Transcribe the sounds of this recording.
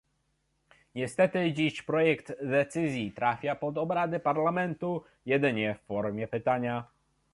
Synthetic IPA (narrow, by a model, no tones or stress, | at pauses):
ɲɛst̪ɛt̪ɘd͡ʑiɕpɾɔjɛkt̪ːɛt̪sɘzʲjit̪ɾafʲjapɔd̪ɔbɾad̪ɘpaɾlamɛnt̪u | jɛd̪ɘɲɛfːɔɾmʲjɛpɘt̪aɲa